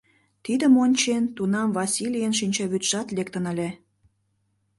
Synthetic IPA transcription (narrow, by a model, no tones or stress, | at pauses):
t̪id̪əmonʲt͡ɕent̪unɑmvɑsʲilʲijənʃ̬inʲt͡ɕɑβyt̪ʃɑt̪lekt̪ənə̆lʲe